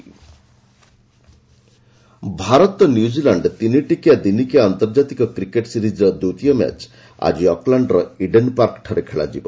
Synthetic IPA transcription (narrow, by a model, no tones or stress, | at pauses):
bʱaɾɔt̪njud͡ʒilaɳɖt̪iniʈikjad̪inikiaant̪ɔɾd͡ʒat̪ikɔkɾikeʈsiɾid͡ʒɔd̪ut̪ijɔma̰t͡ʃ | a̰d͡ʒiɔklaɳɖɾɔiɖenpaɾkʈʰɔɾekʰeɭa̰d͡ʒibɔ